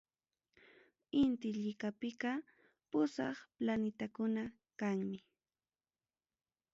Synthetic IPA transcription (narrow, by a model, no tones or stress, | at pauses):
ɪnt̪ɪʎɪkapɪkɑ | pʊsɑχplanɪt̪akʊna | kaŋmɪ